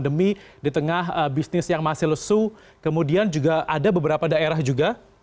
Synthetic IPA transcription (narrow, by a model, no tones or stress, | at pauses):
ndəmidit̪əŋaɦəbisnɪsjaŋmasɪhləsu | kəmudiand͡ʒuɡaʔadabəbəɾapadaeɾahd͡ʒuɡa